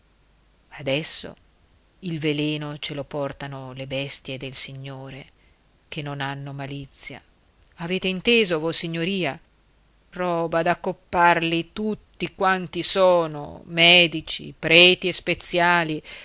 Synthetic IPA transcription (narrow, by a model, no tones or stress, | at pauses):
ad̪ɛsːo̰ | ilveleːnot͡ʃelopɔrt̪anolebɛst̪jed̪elsiɲːoːɾe | k̟enːonanːomalit̪sːja̰ | aveːt̪eint̪eːzovosiɲːoɾiːa | rɔːbad̪akːopːarlit̪ut̪ːikwant̪isoːno̰mɛːd̪it͡ʃḭpɾɛːt̪iespet̪sːjaːli